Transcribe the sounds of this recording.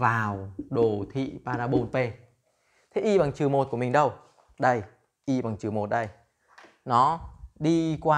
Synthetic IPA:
vaː˨˩wɗo˨˩t̪ʰḭ˧˨paː˧naː˧ɓo˧npe˧ | t̪ʰe˨˦ʔi˧ɓa˨˩ŋt͡ɕɨ˨˩mo˨˩t̚ku˧˩əmi˨˩ŋ̟ɗə˧w | ɗə˧j | ʔi˧ɓa˨˩ŋt͡ɕɨ˨˩əmo˨˩t̚ɗə˧j | nɔ˨˦ɗi˧kwaː˧

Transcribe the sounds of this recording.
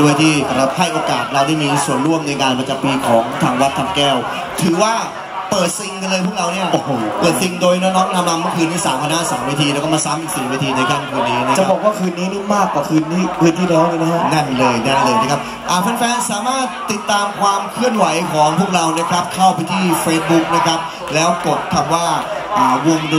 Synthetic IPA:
du˥˩əjt̪ʰiː˥˩˧a˦˧˥p̚ɦa˥˩jʔoː˧kaː˨˩t̪̚ɾa˧wda˥˩jmiː˧su˨˩ənɾu˥˩əmna˧jkaː˧npa˧t͡ɕa˨˩mpiː˧kʰɔː˩˦ŋt̪ʰaː˧ŋwa˦˥t̪ʰːa˧mkɛː˥˩w | t̪ʰɯː˩˦waː˥˩ | pɤː˨˩t̪̚si˧ŋka˧nlɤː˧jpʰu˥˩k̚ɾa˧wni˥˩ɐ˧˩pəɤː˨˩t̪̚si˧ŋdoː˧jnː˧˦˥nɔː˦˥knʰa˧˥mːaː˧mɯ˥˩əkʰɯː˧nːiː˥˩saː˩˦mkʰa˧na˦˥saː˩˦mːaː˧t̪ʰiː˧ɛ˦˥wkɔ˥˩maː˧saː˨˦mʔi˨˩siː˨˩maː˧t̪ʰiː˧na˧jkʰaː˥˩nkʰɯː˧nːiː˦˥na˧˥t͡ɕa˨˩abɔː˨˩k̚waː˥˩kʰɯː˧nːiː˦˥nɯ˥˩maː˥˩kwaː˨˩kʰɯː˧nt̪iː˥˩kʰɯː˧nt̪ʰiː˥˩nɔː˦˥ŋləː˧na˦˥ŋa˥˩nlɤː˧jna˥˩lɤː˧jna˦˥kʰa˦˥p̚ | ʔaː˨˩fɛː˧nfɛː˧nsaː˨˩˦maː˥˩t̪̚ːi˨˩t̪ːaː˧mkʰwaː˧mkʰɯ˥˩ənwa˨˩˦jkʰɔː˩˦ŋpʰu˥˩ək̚ɾa˧wna˦˥˩kʰɾa˦˥p̚kʰa˥˩wpa˧jt̪ʰiː˥˩feː˦˧˥s̚bu˦˥k̚na˥˩kʰa˦˥p̚ | lɛː˦˥wko˨˩t̪̚kʰa˧mwaː˥˩ʔaː˨˩wo˧ŋd

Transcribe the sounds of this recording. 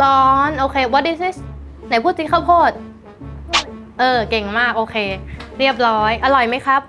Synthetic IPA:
lɔː˦˥nʔoː˧kʰeː˧wɔ˦˥t̚di˦˥si˧˥˩s | na˨˦jpʰuː˥˩t̪̚t͡ɕi˧˦˥kʰa˥˩wkʰoː˥˩t̪̚ | ʔɤː˧ke˨˩ŋmaː˥˩k̚ʔoː˧kʰeː˧ɾi˥˩əp̚ɾɔː˦˥jʔa˧ɾɔ˨˩jma˦˥jkʰɾa˦˥p̚

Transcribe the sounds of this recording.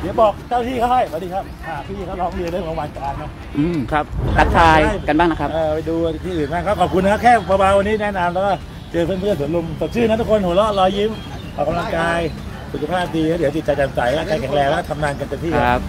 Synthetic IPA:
d̪ɯ˦bɔː˨˩k̚t͡ɕʰaː˥˩wt̪ʰiː˥˩kʰa˦˥wha˥˩jmaː˨˧˩diː˧˩kʰa˦˥p̚ʔaː˨˩t̪ʰiː˦˥˩iː˥˩a˦˥wlɔː˦˥ŋli˧lə˧˦˧waː˧nkaː˧ŋnɔ˦˥ | ʔɯː˧˩mkʰa˦˥p̚a˦˥t̚sʰaː˧jka˧nbaː˥˩na˦˥kʰʔɤː˧˩pa˧jduː˧˩˨t̪ʰiː˥˩˨nbaː˥˩ŋkʰa˦˥wkʰɔː˨˩p̚kʰu˧nː˧k̚ʰkʰɛː˥˩˨pːa˧baː˧nwa˧nːiː˦˥nɛ˦˥˨na˧mlɛː˦˥wkɔ˥˩ | t͡ɕɤː˧pʰe˥˩npʰɯ˥˩su˩˦nlu˧mso˨˩t̪̚sʰɯː˥˩na˦˥t̪ʰu˥kʰo˧nhu˩˦lɔ˦˥˩lɔː˧ji˦˥m | ʔʰɔː˨˩ka˧mla˧ŋkaː˧j | su˨˩kʰa˧pʰaː˥˩p̚diː˧kaː˦˥d̪t͡ɕi˨t̪̚t͡ɕa˧jt̪a˧nsa˨˩˦ja˦˥˩kaː˧jkʰɛ˩˦ŋlɛː˧ŋlɛː˦˥kɔ˥˩t̪ʰa˧mnaː˧nka˧nt̪e˧nt̪ʰiː˥˨˦a˦p̚

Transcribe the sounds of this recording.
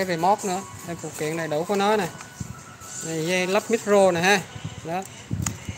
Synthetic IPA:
aː˨˦jve˨˩mɔ˦˥k͡p̚nɨ̰˧˥ət̪ʰa˨˧˩fṵ˧˩k̪ḭ˧˨əŋna˨˩jɗə˨˦wkɔ˨˦nɔ˨˦jna˨˩j | na˨˩za˧jla˦˥p̚mi˦˥t̚zo˧na˨˩haː˧˩ɗɔ˨˦

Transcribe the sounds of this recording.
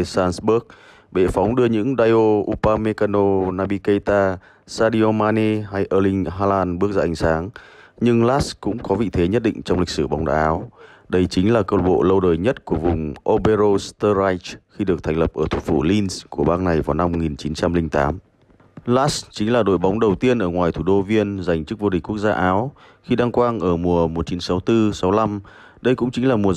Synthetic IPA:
saː˧nsɓu˦˥ək̚ | ɓe˧˩fa˨˦wŋ͡mɗɨ˧əɲɨ̰˧˥ŋɗaː˧jʔo˧ʔu˧paː˧me˧ka˧no˧naː˧ɓi˧kə˧jt̪aː˧ | saː˧ɗi˧o˧maː˧ni˧ɦa˧jʔəː˧lï˧ŋ̟ɦaː˧laː˧nɓɨ˦˥ək̚zaː˧ʔa˧˩ŋ̟saː˨˦ŋɲɨ˧ŋlaː˦˥skʊ̰˧˥ŋ͡mkɔ˨˦vḭ˧˨t̪ʰe˨˦ɲə˦˥t̚ɗḭ˧˨ŋ̟t͡ɕɔ˧wŋ͡mlï˨˩k̚sɨ˧˩ɓa˨˦wŋ͡mɗa̰ː˧˩ʔaː˨˦w | ɗə˧jt͡ɕï˨˦ŋ̟laː˨˩kəː˧˩wɓo̰˧˨lə˧wɗəː˨˩jɲə˦˥t̚ku˧˩əvʊ˨˩ŋ͡mʔo˧ɓe˧zo˧st̪əː˧ɾa˧jt͡ɕxi˧ɗɨ˨˩ək̚t̪ʰɛ˨˩ŋ̟lə˨˩p̚ʔəː˧˩t̪ʰu˨˩fṵ˧˩li˧nsku˧˩əɓaː˧na˨˩jvaː˨˩wna˧mːo˨˩ŋi˨˩nt͡ɕi˨˦nt͡ɕa˧mlï˧ŋ̟t̪aː˨˦m | laː˦˥st͡ɕi˨˦ŋ̟laː˨˩ɗo̰˧˩jɓa˨˦wŋ͡mɗə˨˩wt̪i˧ənʔəː˧˩ŋwaː˨˩jt̪ʰu˧˩ɗo˧vi˧ənza˨˩jŋ̟t͡ɕɨ˦˥k̚vo˧ɗi̟˨˩ku˦˥ək̚zaː˧ʔaː˨˦w | xi˧ɗaː˧ŋkwaː˧nʔəː˧˩mu˨˩əmo˨˩t̚t͡ɕi˨˦nsa˨˦wt̪ɨ˧sa˨˦wla˧m | ɗə˧jkʊ̰˧˥ŋ͡mt͡ɕï˨˦ŋ̟laː˨˩mu˨˩ə

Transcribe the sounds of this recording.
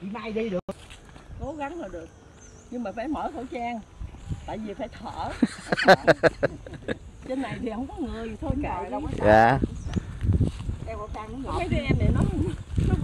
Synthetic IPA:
i˧˨˩maː˧jɗi˧ɗɨ˨˩ə | ko˨˦ɣa˨˦ŋzəː˨˩jɗɨ˨˩ək̚ | ɲɨ˧ŋmaː˨˩faː˧˩jməː˧˩t̪ʰo̰˧˩t͡ɕaː˧ŋt̪a̰ː˧˨jvi˨˩faː˧˩jt̪ʰə̰ː˧˩˨ | t͡ɕe˧nːa˨˩jt̪ʰi˨˩hə˧˩wŋ͡mkɔ˨˦ŋɨ˨˩əjt̪ʰo˧ja̰˧˨lwaː˧˨ | ʔɛ˧wɔ˧˩taː˧ki˧˦ɔ˧˨˦kaː˨˦jkɛ˧ʔɛ˧mnɛ˨˩nɔ˨˦˧nɔ˨˦

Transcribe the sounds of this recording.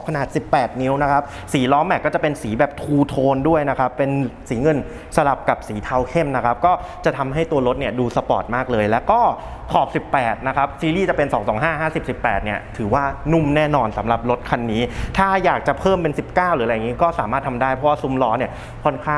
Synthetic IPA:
kʰa˧naː˨˩t̪̚si˨˩pːɛː˨˩t̪̚ni˦˥wna˦˥kʰa˦˥p̚ | siː˩˦lɔː˦˥mɛ˨˩kːɔː˥˩t͡ɕa˨˩pe˧nsiː˩˦bɛː˨˩p̚t̪ʰuː˧t̪ʰoː˧ndu˥˩əjna˦˥kʰa˦˥pːe˧nsiː˩˦ŋɤ˧n | sa˧la˨˩p̚ka˨˩p̚siː˩˦t̪ʰa˧wkʰe˥˩mna˦˥kʰa˦˥p̚kɔː˥˩ | t͡ɕa˨˩t̪ʰa˧mɦa˥˩jt̪u˧ɐlo˦˥t̪̚ni˥˩ɐduː˧sa˧pɔ̰ː˨˩t̪̚maː˥˩k̚lɤː˧jlɛː˦˥wkɔː˥˩ | kʰɔː˨˩p̚si˨˩pːɛː˨˩t̪̚na˦˥kʰa˦˥p̚siː˨˧liː˥˩t͡ɕa˨˩pe˧nsɔː˩˦ŋsɔː˩˦ŋɦaː˥˩ɦaː˥˩si˨˩p̚si˨˩pːɛː˨˩t̪̚ni˥˩ɐt̪ʰɯː˩˦waː˥˩nu˥˩mnɛː˥˩nɔː˧nsa˩˦mɾa˨˩p̚lo˦˥t̪̚kʰa˧nːiː˦˥t̪ʰaː˥˩jaː˨˩k̚t͡ɕa˨˩pʰɤː˥˩mpe˧nsi˨˩p̚kaː˥˩wɾɯː˩˦ɾa˧ja˨˩ŋiː˦˥kɔː˥˩saː˩˦maː˥˩t̪ʰa˧mdaː˥˩jpʰɔ˧˦˥waː˥˩su˧˦mlɔː˦˥ni˥˩ɐ | kʰo˧˥nkʰaː˥˩

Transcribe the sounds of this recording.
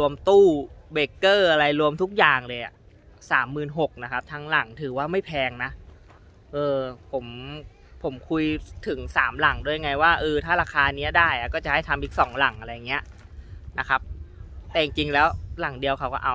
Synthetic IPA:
u˧əmt̪uː˥˩beː˨˩kːɤː˥˩ʔa˧ɾa˧jɾu˧əmt̪ʰu˦˥k̚jaː˨˩ŋlɤː˧jʔa̰˨˩ | saː˩˦mːɯː˨˩nɦo˨˩k̚na˦˥kʰa˦˥p̚t̪ʰaː˧ŋla˨˩˦ŋt̪ʰɯː˩˦waː˥˩ma˥˩jpʰɛː˧ŋna˦˥ | ʔɤː˧pʰo˩˦m | pʰo˩˦mkʰu˧jt̪ʰɯ˨˩˦ŋsa̰ː˩˦mla˨˩˦ŋdu˥˩ja˧ŋa˧jwaː˥˩ʔɤː˧t̪ʰaː˥˩ɾaː˧kʰaː˧ni˦˥ɐdaː˥˩jʔa˨˩kɔː˥˩t͡ɕa˨˩ʔha˥˩jt̪ʰa˧mʔiː˨˩k̚sɔː˩˦ŋla˨˩˦ŋʔa˧ɾa˧jːa˨˩ŋːi˦˥ɐʔ | na˦˥kʰa˦˥p̚t̪ɛː˨˩t͡ɕi˨˩ŋt͡ɕi˧ŋlɛː˦˥wla˨˩˦ŋdi˧əwkʰa˧˥wkɔ̰ː˥ʔa˧

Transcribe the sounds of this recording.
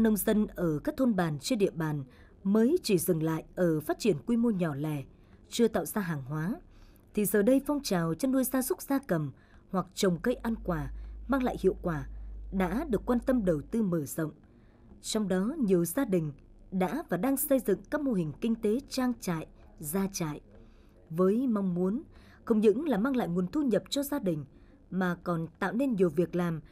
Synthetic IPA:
nə˧wŋ͡mzə˧nʔəː˧˩kaː˦˥k̚t̪ʰo˧nɓaː˨˩nt͡ɕi˧ɗḭ˧˨əɓaː˨˩n | məː˨˦jt͡ɕi˧˩zɨ˨˩ŋla̰ː˧˨jʔəː˧˩faː˦˥t̚t͡ɕi˧˩ənkwi˧mo˧ɲɔ˨˩lɛ˨˩ | t͡ɕɨ˧ət̪a̰ː˧˨wzaː˧ɦaː˨˩ŋɦwaː˨˦ | t̪ʰi˨˩zəː˨˩ɗə˧jfɔ˧wŋ͡mt͡ɕaː˨˩wt͡ɕə˧nɗu˧əjzaː˧zʊ˦˥k͡p̚z̥aː˧kə˨˩m | hwa˨˩k̚t͡ɕə˨˩wŋ͡mkə˧jʔa˧nkwaː˧˩maː˧ŋla̰ː˧˨jhḭ˧˨əwkwaː˧˩ɗa̰ː˧˥ɗɨ˨˩əkːwaː˧nt̪ə˧mɗə˨˩wt̪ɨ˧məː˧˩z̥ə̰˧˨wŋ͡m | t͡ɕɔ˧wŋ͡mɗɔ˨˦ɲi˨˩əwzaː˧ɗï˨˩ŋ̟ | ɗa̰ː˧˥vaː˨˩ɗaː˧ŋsə˧jzɨ̰˧˨ŋkaː˦˥k̚mo˧ɦï˨˩ŋ̟kï˧ŋ̟t̪e˨˦t͡ɕaː˧ŋt͡ɕa̰ː˧˨j | zaː˧t͡ɕa̰ː˧˨j | vəː˨˦jma˧wŋ͡mmu˨˦ən | xə˧wŋ͡mɲɨ̰˧˥ŋlaː˨˩maː˧ŋla̰ː˧˨jŋu˨˩ənt̪ʰu˧ɲə˨˩p̚t͡ɕɔ˧zaː˧ɗï˨˩ŋ̟ | maː˨˩kɔ˨˩nt̪a̰ː˧˨wne˧nɲi˨˩əwvi˨˩ək̚laː˨˩m

